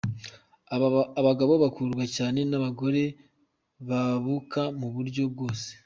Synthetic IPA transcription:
βaɡaβo̞βakuːɾɡwacaːne̞naβaɡo̞ɾe̞ | βaβukamuβuɾɟo̞b̚ɡo̞ːse̥

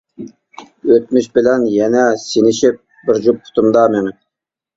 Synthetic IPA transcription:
øt̪̚myʃbɪlɛnjɛnɛsinɪʃɪp̚ | bɪɾd͡ʒupʰːʊ̥t̪ʰʊmd̪ɑmemn

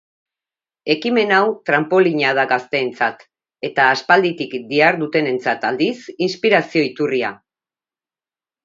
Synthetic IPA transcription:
e̞kime̞nawt̪ɾampo̞liɲað̞aɡast̪e̞ːnt͡sat̪ | e̞t̪aːspald̪it̪ikd̪iaɾðut̪e̞ne̞nt͡sat̪ald̪isinspiɾasio̞it̪uria̰

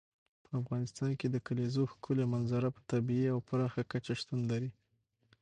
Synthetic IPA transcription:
pəafɣɑnɪst̪ɑnked̪əkalezoxkʰʊlemanzaɾapə̥t̪abieawpɾɑxakat͡ʃaʂt̪und̪laɾi

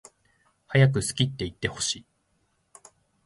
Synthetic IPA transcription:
hajak̬ɯ̟sɨ̥kʲit̪ːe̞it̪ːe̞ho̞̥ɕiː

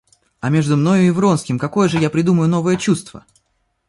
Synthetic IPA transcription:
ɐmʲe̞ʐd̪ʊmno̞jʊɪvɾo̞nskʲɪmkɐko̞jəʐɨjapɾʲɪd̪uməjʊno̞vəjət͡ɕust̪və̰

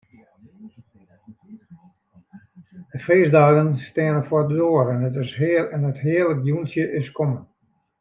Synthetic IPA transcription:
dəfeːzdaːɣənstɪənəfwɔdədoəɾɛnətɪsɦɪlɛnəthɪələkjunsjəʔɪskɔmən

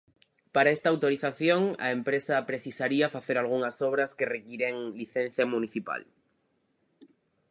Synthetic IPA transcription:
paɾaest̪aːwt̪oɾiθaθjõ̞ŋa̰empɾe̞sapɾe̞θisaɾiafaθe̞ɾalɣ̞unasoβ̞ɾaskerekiɾeŋliθẽn̟θjamũniθipa̰l

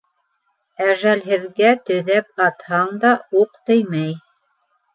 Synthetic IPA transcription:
æʒælɦɘ̆ðɡæt̪ɵ̆ðæp̚ɑt̪hɑɴd̪ɑuq̚t̪ɵjmæj

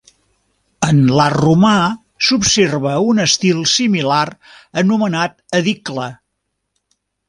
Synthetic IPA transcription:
ənlaruma | supserβəunəst̪ilˠsimilarənumənat̪əðiklə

